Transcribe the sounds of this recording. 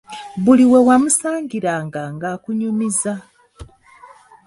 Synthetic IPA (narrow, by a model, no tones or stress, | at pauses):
βuliwe̞wamusaːɲɟiɾaːŋɡaŋɡaːkuɲumiza